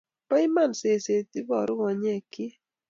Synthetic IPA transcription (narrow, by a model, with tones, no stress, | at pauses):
pa˦ɪ˦ma˦˨nse˨se˨t̪i˦bɔ˨ɾʊ˦ŋɔ˨ɲɛ˦˨kɪ˦